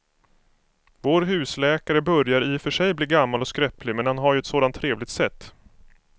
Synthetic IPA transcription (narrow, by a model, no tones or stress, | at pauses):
voːɾɦʉ̟ːslɛːkaɾəbœɾjaɾɪfœʂɛjbliːɡamːalɔskɾɛplɪmɛnhanɦaɾjɵɛt̪soːd̪ant̪ʰːɾeːvlɪɡ̚t̪sɛt̪ː